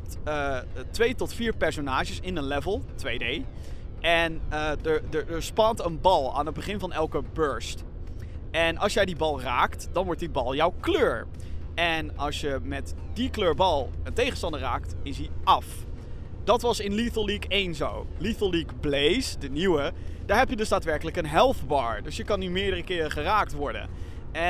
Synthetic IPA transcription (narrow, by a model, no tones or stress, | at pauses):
ətʋejtɔtfiːɹpɛɹsonaːʒəsɪnənlɛvəlˠtʋejdej | ʔɛnədəɹdədəɹspɑntənbɑlˠa̰ːnɦəd̚bəχɪnvɑnɛlˠkəbøɹst | ɛnʔɑlˠsjɛjdibɑlˠraːktd̥ɑnʋɔɹt̚dibɑlˠjɔwkløːɹ | ɛnɑlˠsjəmɛtdikløːɹbɑlˠəntejχənstɑndəraːktɪsɦiɑf | d̥ɑtʋɑsɪnliθəlikejnzo̰wliθəlˠlikblejsdəniwəd̥aːɹɦɛpjədɵsdaːtʋɛɹkələkənɦɛlˠfbɑːɹdøsjəkɑnymɪːɹdərəkɪːχəraːk̚tʋɔɹdə̰n | ɛ